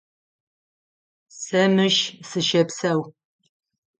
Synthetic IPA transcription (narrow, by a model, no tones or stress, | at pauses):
sɐmɨʃsɨʃɐpsɐw